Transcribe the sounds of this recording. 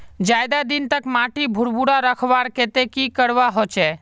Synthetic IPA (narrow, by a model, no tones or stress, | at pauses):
d͡ʒaːjd̪ad̪int̪əkmaʈibʱʊɾbuɽaɾəkʰʋaɾket̪ekikəɽʋaɦot͡ʃɛː